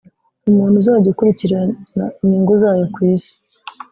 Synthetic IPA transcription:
umuːn̥huzaɟekuɾiciɾanaɲiːŋɡuzaːjokwiːsi̥

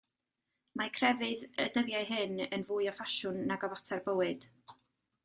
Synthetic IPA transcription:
makʰrɛvɨðədəðjajɦɨnənvuːɨɔfaʃʊnːaɡɔvatʰɛrbəwɨd̥

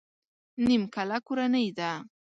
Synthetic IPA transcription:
nɪmkalakʊɾanajd̪a

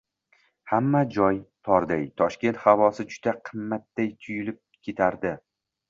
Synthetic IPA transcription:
hamːad͡ʒɒjt̪ʰɒɾd̪ajt̪ʰɒʃkʲe̞nt̪havɒsɪd͡ʒʊd̪̥aqʰɨmːat̪̚ːajt̪ʰʊjɪlɪp̚kʲʰe̞t̪ʰaɾd̪ɪ

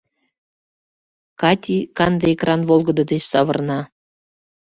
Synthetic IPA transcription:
kɑtʲikɑnd̪əekrɑnvolˠɣə̆d̪ɤ̆d̪et͡ɕsɑβɤ̰̆rnɑ

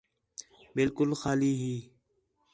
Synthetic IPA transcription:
bɪlkʊlxaːliːɦiː

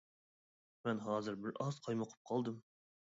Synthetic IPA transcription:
mɛnɦɑːzɨɾbɪɾɑz̥qʰɑjmɑqʰə̥p̚qʰɑlˠd̪ɨm

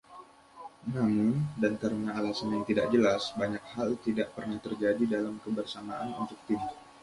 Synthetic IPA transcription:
namʊndant̪əɾunaːlasanjaŋt̪idaʔ̚d͡ʒəlasbaɲak̚halt̪idaʔpərnaht̪ərd͡ʒadidalamkəbərsamaʔanṵnt̪ʊk̚t̪imu

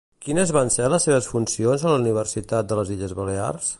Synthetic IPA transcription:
kinəzβansɛləsːeβ̞əsfunsionzələuniβ̞ərsit̪at̪̚d̪ələziʎəzβəlea̰rs

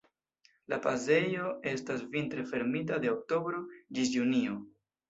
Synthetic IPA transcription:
lapaze̞jo̞e̞stasvintɾe̞fe̞ɾmitadeok̚to̞bɾo̞d͡ʒisjunio

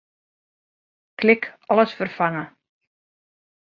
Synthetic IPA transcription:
klɪkʰɔləsfərfaŋə

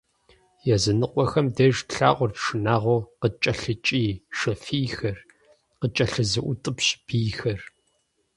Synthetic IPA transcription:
jɛzɨnɨqʷɔxɐmdeːʒtɬa̰ːʔʷʊrpʂɨnaːʁʷoːqət͡ʃʼɐɬɨt͡ʃʼiːʃɐfiːxɐr | qət͡ʃʼɐɬɨzɨʔʷʊtʼɨpɕb̥iːxɐr

